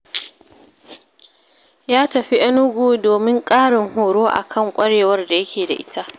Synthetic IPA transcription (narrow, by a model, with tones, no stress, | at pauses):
jaː˦tɐ˨ɸi˦ʔɐ˦nʊ˦ɡʷuː˦doː˨mɪ˦ŋkʼaː˦ɽɪ˨ŋhoː˨ɽoː˦ʔa̰˨kʰɐ˦˨ŋkʷʼɐ˦ɽeː˨wɐ˦rda˨jɐ˦kʲʰeː˨da̰˨ʔɪ̰˦tʰa˦ʔ